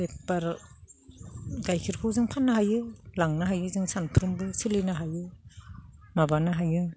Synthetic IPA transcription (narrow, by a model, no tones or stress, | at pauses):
epaɾ | ɡajkʰiɾkʰawzɯŋpʰanːaɦajɯlaŋnaɦajɯzɯŋsanpʰɯɾɯmbɯsilɯjnaɦajɯ | mabanaɦajɯ